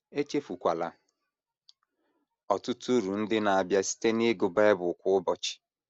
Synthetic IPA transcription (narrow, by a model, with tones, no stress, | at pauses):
e˦t͡ʃe˦fu˨kʷa˨la̰˨ | ɔ˨tʊ˦tu˦ɾu˨n̩˦dɪ˦na˨a˨bja˦si̥˦te˦ne˦ɡʊ˨be˦e˦bʊ˨kʷʊ˦ʊ˦bɔ˨t͡ʃɪ̥˨